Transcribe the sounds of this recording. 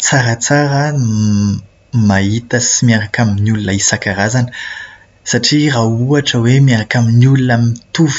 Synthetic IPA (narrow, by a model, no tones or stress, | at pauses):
t͡saɾət͡saɾə | maɦit̪əsimiaɾakaminulunaisakaɾazanə | saʈ͡ʂirauaʈ͡ʂəwemiaɾakaminulunamit̪uvi̥